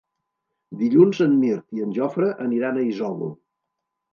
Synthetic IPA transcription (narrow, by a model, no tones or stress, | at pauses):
d̪iʎunzənmiɾt̪iənʲʒɔfɾəʔəniɾanəizɔlṵ